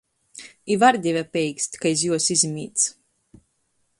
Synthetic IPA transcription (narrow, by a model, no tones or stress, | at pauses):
ivaɾd̪ʲɛvʲapʲɛjksʲt̪ʲkaizʲjuɔsizʲimʲiːt̪s